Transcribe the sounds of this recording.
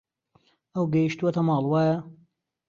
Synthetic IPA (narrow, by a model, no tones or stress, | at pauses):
ɐwɡɐjiʃt̪uɐt̪ɐmɑːlˠwaːjɐ